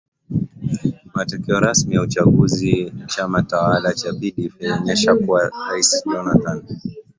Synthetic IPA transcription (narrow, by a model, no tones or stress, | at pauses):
matɔkɛɔɾasmijaut͡ʃaɠuzit͡ʃamatawalat͡ʃapiɗifɛɲɛʃakuwaɾaisɗɔnatan